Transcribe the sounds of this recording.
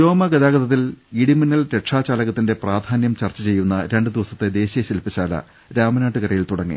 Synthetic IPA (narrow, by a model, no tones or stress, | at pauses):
t͡ɕo̞ːmɐɡɐðaːɡɐðɐt̪ːiliɽiminːɐlɾe̞ʈʂaːt͡ɕaːlɐɣɐt̪ːinde̞praːd̪ʱaːnjɐmt͡ɕɐrt͡ɕːɐt͡ɕe̞jːunːɐɾe̞ɳɖɨd̪iʋɐsɐt̪ːe̞d̪e̞ːɕijɐɕɐlpːit͡ɕːaːlɐ̰ | ɾaːmɐnaːʈːɨkɐrɐjilt̪uɽɐŋːḭ